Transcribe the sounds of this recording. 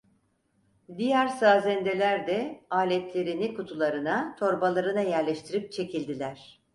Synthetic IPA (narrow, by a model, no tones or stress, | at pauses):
d̪ijæɾsaːzɛnd̪e̞lʲæɾd̪ɛaːlʲɛt̪lʲe̞ɾinikut̪ʰulˠaɾɯnat̪ʰo̞ɾbalˠaɾɯnajæɾlʲɛʃt̪ʰiɾip̚t͡ʃʰe̞cʰilʲd̪ilʲæɾ̥